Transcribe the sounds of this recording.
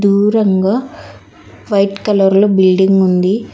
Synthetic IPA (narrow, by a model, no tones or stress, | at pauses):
uːɾɐŋɡaː | ʋɐjʈkɐlɐɾloːbilɖiŋɡund̪i